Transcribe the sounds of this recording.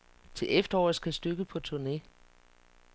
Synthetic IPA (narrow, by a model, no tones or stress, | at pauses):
t͡sʰe̝lʔefd̥ɐɒ̰ːð̩ˠsɡ̥æsd̥øɡ̥əpʰɒ̽t͡sʰuɐne̝